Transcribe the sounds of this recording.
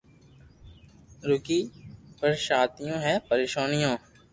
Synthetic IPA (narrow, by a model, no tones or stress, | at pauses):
ɾʊkiːpɐɾʃaːt̪ijõːɦɛ̃ːpɐɾeːʃoːnijõː